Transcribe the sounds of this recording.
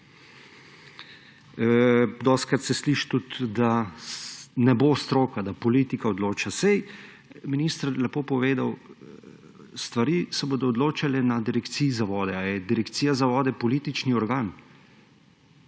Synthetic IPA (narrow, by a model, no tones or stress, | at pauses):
d̪ɔst̪kɾat̪sɛsliːʃt̪ut̪d̪a | nɛboːst̪ɾoːkad̪apɔlit̪ikaɔd̪loːt͡ʃasɛj | minist̪əɾlɛpoːpɔʋeːd̪aw | st̪ʋaɾiːsɛboːd̪ɔːd̪loːt͡ʃalɛnad̪iɾɛkt̪sijzaʋɔːd̪ɛajɛd̪iɾɛkt̪siːjazaʋɔːd̪ɛpɔliːt̪it͡ʃniɔɾɡaːn